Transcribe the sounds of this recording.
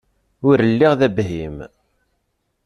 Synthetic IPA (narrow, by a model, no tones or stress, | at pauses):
ʊɾəlːiʁðæbɦim